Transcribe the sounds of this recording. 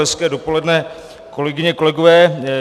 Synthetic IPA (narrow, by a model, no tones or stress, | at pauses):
ɛskɛːdo̞po̞lɛdnɛː | ko̞lɛɡɪɲɛko̞lɛɡovɛː